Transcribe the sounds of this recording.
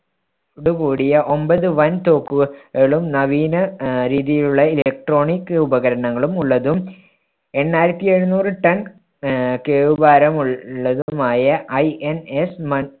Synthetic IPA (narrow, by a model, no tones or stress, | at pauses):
uɽukuːɽijɐʔo̞mbɐðɨʋɐnt̪o̞ːkːuɣɐɭumnɐʋiːnɐɾiːðijiluɭːɐilek̚ʈro̞ːɳikːubɐɣɐɾɐɳɐŋːɐɭumuɭːɐðum | e̞nːaːjiɾɐt̪ːie̞ɻunuːrɨʈɐn | keːʋubaːɾɐmuɭːɐðumaːjɐʔɐjenesmɐ